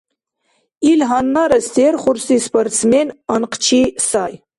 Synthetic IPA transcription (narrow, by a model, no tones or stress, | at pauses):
ilɦanːaɾɐsterχʷʊrsispʰortt͡smenanqʰt͡ʃʰisaːj